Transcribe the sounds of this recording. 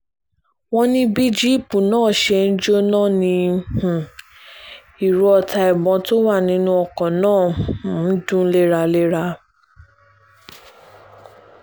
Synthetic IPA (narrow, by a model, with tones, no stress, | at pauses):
wɔ̃˦nĩ˦bi˦d͡ʒi˦˨pu˨nãː˦˨ʃɛ˧n̩˦d͡ʒo˦nãː˦˨nĩ˧h̩˨ | i˨ɾu˨ɔ˧˨ta˧ɛ˨bɔ̃˧to˦wa˦˨nĩ˨˦nũ˦ɔ˧kɔ̃˨nãː˦˨˦ | dũ˦le˦ɾa˧le˦ɾa˧